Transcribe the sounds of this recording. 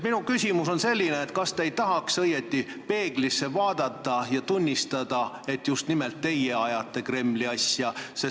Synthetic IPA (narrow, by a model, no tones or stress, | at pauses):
minukysʲimuso̞nse̞lʲːineːt̪̚kɑst̪eejt̪ɑɦɑksɤjet̪ˑːi | pe̞ːɡ̥lisːe̞vɑːd̪̥ɑt̪ːˑɑjɑt̪unʲːist̪ɑd̪̥ɑ | e̞t̪just̪nimelt̪ːe̞jeɑjɑt̪ˑːe̞kre̞mːliɑsjɑse